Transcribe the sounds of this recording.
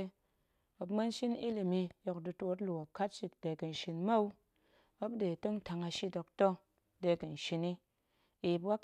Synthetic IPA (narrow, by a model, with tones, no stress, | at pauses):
o˨pma˦n˦ʃi˦ni˦li˨mi˧jo˨kdɨ˧to˧˦tlu˨o˨ka˦t̚t͡ʃi˦t̚de˨kɨ˨n̩˨ʃi˧nma˦u˦ | o˦bde˨to˦ŋ˦ta˨ŋa˧ʃi˦do˨kto˦ | de˧˨kɨ˨n̩˨ʃi˧ni˦ | i˨pwa˦k